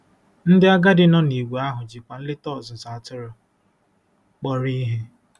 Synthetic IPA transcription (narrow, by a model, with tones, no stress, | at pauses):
n̩˦dɪ˦a˦ɡa˦dɪ˦nɔ˦ni˨wʷe˨a˦ɦʊ˨d͡ʒi˨kʷa˨n̩˦lɪ˦tɔ˦˨zʊ˨sa˨tʊ˦ɾʊ˨ | k͡pɔ˦ɾi˦ɦe˦